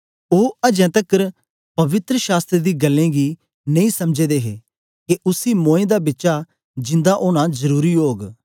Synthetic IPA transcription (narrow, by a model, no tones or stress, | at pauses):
oːɐd͡ʒɛ̃ːt̪əkəɾ | pɐʋɪt̪ɾəʃaːst̪ɾed̪iːɡɐlːẽːɡiː | nɐ̃ĩsɐmd͡ʒeːd̪eːɦḛː | keʔʊsiːmõːẽːd̪aːbɪːʃa | d͡ʒɪ̃nd̪aʔoːñãzɐɾuːɾiɦoːɡ